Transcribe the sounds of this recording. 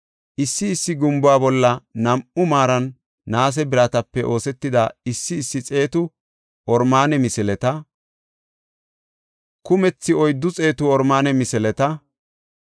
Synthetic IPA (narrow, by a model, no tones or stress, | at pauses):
ʔɪsːɪːsːɪɡʊmbʊaːbɔlːɐnɐmʊmaːɾɐnː | aːs̬ɛbɪɾat̪ɐpːɛʔo̞ːsɛt̪ːɪd̪ɐɪsːɪːsːɪt͡sʼe̞ːt̪ʊ | ʔɔɾmaːnɛmɪsɛlɛt̪ɐ | kʊmɛt͡sːɪɔjd̪ːʊt͡sʼe̞ːt̪ʊɔɾmaːnɛmɪsɛlɛt̪ɐ